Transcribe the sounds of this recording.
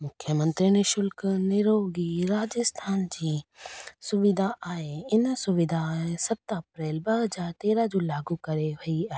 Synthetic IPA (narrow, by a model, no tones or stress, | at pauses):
mʊkʰjəmə̃nt̪ɾineʃʊlknɪɾoːɡiɾaːd͡ʑəst̪ʰaːnd͡ʑiːsʊʋɪd̪ʱaaːɦeɪnsʊʋɪd̪ʱãsɐt̪ɐpɾeːlbɐɦəd͡ʑaːɾt̪eːɾad͡ʑoːlaːɡukɐɾeʋɐiaːeː